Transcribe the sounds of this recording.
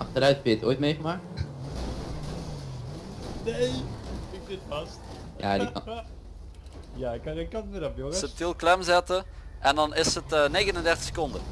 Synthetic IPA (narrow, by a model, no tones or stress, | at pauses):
ʔɑχtəɾœɥtɛbjəto̰ːjtmejχəmaːk̚t | ne | ɪksɪtfɑst | ja̰ːdik | jaɪkɪkːɑnɪɾɔpjoŋəsətɪlˠklɛmzɛtəʔɛndɑnɪsətəneːɣənəndɛrtə̥xsə̥kɔndə